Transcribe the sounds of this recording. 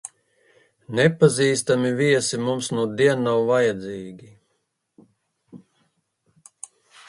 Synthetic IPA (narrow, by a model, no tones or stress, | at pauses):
nɛpaziːst̪amiviɛsimumsnuɔd̪iɛnːawvajad̪ziːɡʲi